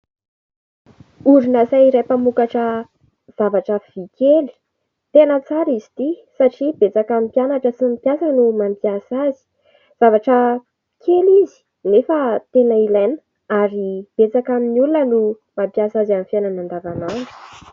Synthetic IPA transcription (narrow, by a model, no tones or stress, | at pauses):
uɾunasaiɾajpamukaʈ͡ʂə | z̥avaʈ͡ʂəv̥ikeli̥ | t̪enət͡saɾizit̪isaʈ͡ʂibet͡sakamipjanaʈ͡ʂəsimpjasənumampjasazi̥ | z̥avaʈ͡ʂə | kʰelizi̥ | nefət̪enailajnə̥ | aɾib̥et͡sakaminulunənu | mampjasazamifananand̪avananu̥